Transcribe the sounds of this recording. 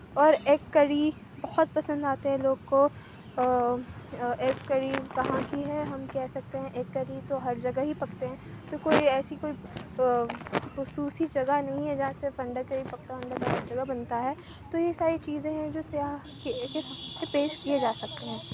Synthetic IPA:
ɔːɾeːkːɐɽi | bɐhʊt̪̚pɐsə̃nd̪aːt̪eɦɛ̃loːɡko | eːkːɐɽikɐɦãkiɦɛɦɐmkɛɦsɐk̚t̪eɦɛ̃ʔeːkːɐɾit̪oɦɐɾd͡ʒɐɡaɦipɐkt̪eɦɛ̃ːt̪okoːiɛːsikoːi | xʊsuːsid͡ʒɐɡanɐɦĩɦɛd͡ʒɐɦãsefɐ̃ɳɖəɾkɐɾipɐk̚t̪aɐ̃ɳɖəkɐɐd͡ʒɐɡabɐnt̪aɦɛː | t̪ojesaːɾit͡ʃiːzẽɦɛ̃d͡ʒoːsja | kkesepeːʃkied͡ʒaːsɐk̚t̪eɦɛ̃ː

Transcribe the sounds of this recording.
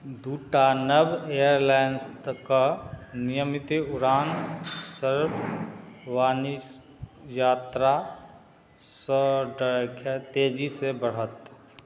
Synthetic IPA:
d̪uːʈanəbejəɾlajənst̪kanɪjəmɪt̪iʊɾaːnsəɾb | ʋaːnis | jaːt̪ɾa | sɔɖkʰt̪eːd͡ʒisebəɽ̤ət̪

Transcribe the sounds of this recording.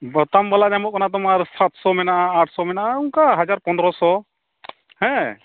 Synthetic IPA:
bɔt̪ambaladɛmɔʔ̚kanat̪̬ɔmaɾsat̪sɔmɛnaʔaaʈʰsɔmɛnaʔauŋkaɦad͡ʒaɾpɔnd̪ɾɔsɔ | hɛ̃

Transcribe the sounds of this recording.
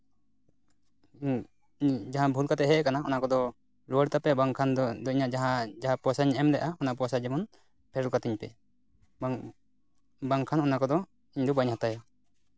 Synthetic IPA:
d͡ʒaɦãbʱulkat̪ɛɦɛkanaɔnakɔd̪ɔ | ɾɔɽt̪apɛbaŋkʰand̪ɔiɲad͡ʒaɦãd͡ʒaɦãpɔsaɲɛʔɛmd̪ɛʔaɔnapɔsad͡ʒɛmɔn | pʰɛɾɔlkat̪iɲpɛ̰ | baŋkʰanɔnakɔd̪ɔ | iɲd̪ɔbaɲɦat̪ajɔ

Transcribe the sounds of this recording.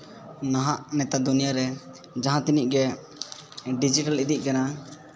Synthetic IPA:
naɦãʔnɛt̪ad̪unijaɾɛ | d͡ʒaɦãt̪iniʔ̚ɡɛ | ɖid͡ʒiʈalid̪iʔ̚ˀkana

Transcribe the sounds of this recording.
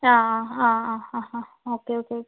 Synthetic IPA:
aaãããɦã | okeokeok

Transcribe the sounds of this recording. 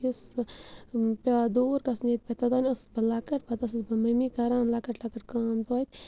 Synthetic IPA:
is | pʲaad̪oːɾkɐsnet̪̚ʲpʲɐt̪ɐd̪aːnʲɐsɨ̥sbɐlakɐʈ̚pɐt̪ɐs̬ɨsbɐmɐmikɐɾãːnlakɐʈlakɐʈkaːmt̪ːit̪ʲ

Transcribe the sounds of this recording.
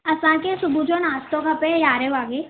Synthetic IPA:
ɐsãːkesʊbʱud͡ʒoːnaːst̪õkɐpejaːɾeʋaːɡe

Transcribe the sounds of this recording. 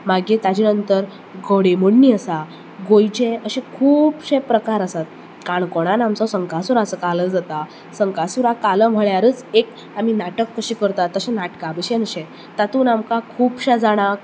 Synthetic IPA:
maɡẽt̪ad͡ʑinənt̪əɾ | ɡəɽeməɽniːəsa | ɡojt͡ɕẽəɕẽkʰuːpɕẽpɾəkaɾəsat̪̚ | kaɳkɔɽ̃anamt͡sɔsəŋkasuɾasəkaləːd͡zat̪a | səŋkasuɾakaləm̤əɭjaɾət͡sek | am̤inaʈəkːəɕikəɾt̪at̪ːəɕẽnaʈkabəɕẽnəɕẽ | t̪at̪uːnamkakʰuːpɕad͡zaɽ̃ãk

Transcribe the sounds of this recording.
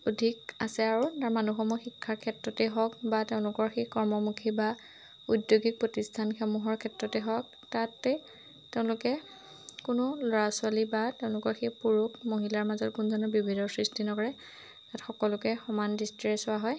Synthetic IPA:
odʱikasɛaɹutaɹmanuxɔmuɔxikʰːaɹkʰɛtɹɔtɛɦɔk̚bateʊ̃lʊkɔɹxekɔɹmɔmukʰiba | udjoɡik̚pɹɔtistʰanxemuɦɔɹkʰɛtɹɔtɛɦɔk | tatɛ | teʊ̃lʊkɛ | kʊnʊlɔɹasʊalibateʊ̃lʊkɔɹxepuɹukmoɦilaɹmazɔt̚kunzɔnɔbibʱinɔsɹistinɔkɔɹɛ | tatxɔkɔlʊkɛxɔmandistiɹɛsɔaɦɔj

